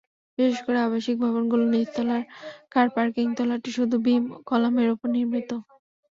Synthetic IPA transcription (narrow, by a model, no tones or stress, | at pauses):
biʃeʃkoɾeaβaʃik̚bʱɔβonɡulonitt̪ːɔlaɾkaɾpaɾkiŋt̪ɔlaʈiʃud̪ʱubimkɔlameɾupoɾniɾmʱit̪o